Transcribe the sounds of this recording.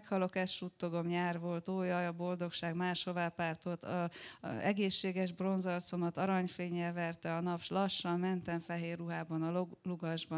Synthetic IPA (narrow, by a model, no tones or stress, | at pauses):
khɒlo̞kɛsʃut̪ːo̞ɡomɲaːrvo̞lt̪oːjɒjɒbo̞ld̪o̞kʃaːɡmaːʃho̞vaːpːaːrt̪ot̪ɒɛ̰ɡeːʃːeːɡɛʒbro̞nzɒrt̪so̞mɒt̪ɒɾɒɲfeːɲːɛlvɛrt̪ɛɒnɒpʃlɒʃːɒmmɛnt̪ɛɱfɛɦeːrːuɦaːbɒnɒlluɡɒʒbɒ